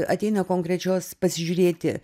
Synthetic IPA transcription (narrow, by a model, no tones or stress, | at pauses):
ɐ̰t̪ʲɛɪnɐkoːŋkɾʲɛt͡ʃʲoːspɐsʲɪʒʲuːɾʲeːt̪ʲɪ